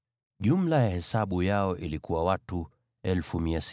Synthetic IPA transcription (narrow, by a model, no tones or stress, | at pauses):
ʄum̩lajahɛsaɓujaɔʔilikuwawatu | ɛlfumias